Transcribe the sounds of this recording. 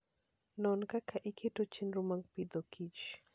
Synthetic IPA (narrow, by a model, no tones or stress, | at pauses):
nɔnkakʰaʔikʰetot͡ʃinɾumaŋɡpid̪ɔkʰit͡ʃ